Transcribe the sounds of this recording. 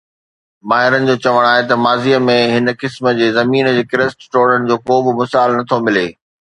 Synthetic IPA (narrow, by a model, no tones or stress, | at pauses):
maːɦɪɾənɪ̆d͡ʑoːt͡ɕɐʋəɽ̃aːɦet̪ɐmaːziəmẽɦɪnə̆kɪsmə̆d͡ʑeːzɐmiːnəd͡ʑeːkɪɾəsʈʈoːɽəɽ̃ɪ̆d͡ʑoːkoːbɪmʊsaːlnɐt̪ʰomɪleː